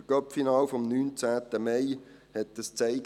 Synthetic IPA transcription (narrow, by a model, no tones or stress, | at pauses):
ɡ̥œpfinɑːlfɔmnyːnt͡sæːt̪əmeɪ | hɛtːəst͡seɪɡ